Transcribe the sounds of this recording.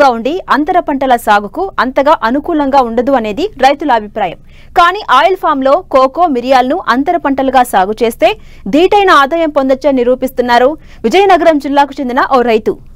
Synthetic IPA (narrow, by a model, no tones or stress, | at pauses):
aːuɳɖiɐnt̪ɐɾɐpɐɳʈɐlɐsaːɡʱukuɐnt̪ɐɡaːʔɐnukuːlɐŋɡaːuɳɖɐd̪uɐne̞ːd̪iɾɐjt̪ulɐːbʱipɾaːjɐm | kaːniːʔaːjɐlpʰaːmlo̞ːkoːko̞ːmiɾijaːlɐnuʔɐnt̪ɐɾɐpɐɳʈɐlɐɡaːsaːɡut͡ʃeːst̪e̞ː | d̪iːʈɐjnɐaːd̪aːjɐmpo̞nd̪ɐt͡ʃːeːniɾuːpist̪unːaːɾu | ʋid͡ʒɐjɐnɐɡɐɾɐmd͡ʒilːaːkut͡ʃe̞nd̪inɐʔoːɾɐjt̪ṵ